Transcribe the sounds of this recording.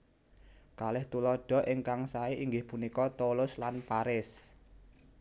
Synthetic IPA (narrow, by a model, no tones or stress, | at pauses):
kalɪht̪ulɔɖ̥ɔ̤ʔɪŋkaŋsaeiŋɡɪhpunikɔt̪olʊslanpaɾɪs